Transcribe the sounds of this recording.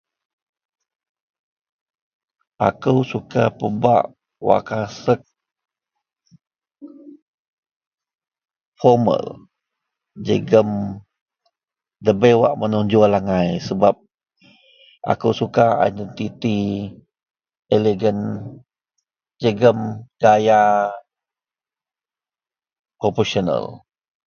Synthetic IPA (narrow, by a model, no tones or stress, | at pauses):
ʔa̰kəwsukapəba̰ʔ | wa̰ʔkasək̚ | fɔmə̰l | d͡ʒə̰ɡəm | d̪əbewa̰ʔmənuɲd͡ʒualaŋajsəbap̚ | ʔa̰kuwsukaa̰jdɛnt̪it̪i | eleɡən | d͡ʒəɡəmɡ̥aja | pɾopɔsɔnə̰l